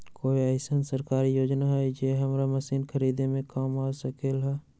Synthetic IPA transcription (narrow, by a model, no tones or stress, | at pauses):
koːiəɪsənsəɾkaːɾijoːd͡ʒnaɦɛd͡ʒeɦɐmɾaməsiːnkʰəɾiːd̪emẽkaːmaːsəkelɦɛː